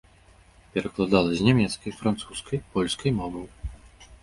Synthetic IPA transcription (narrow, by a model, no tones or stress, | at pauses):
pʲɛɾɐklˠad̪alˠɐzʲnʲɛmʲɛt̪skɐjfɾant̪suskʰɐjpɔlʲskʰɐjmɔvɨw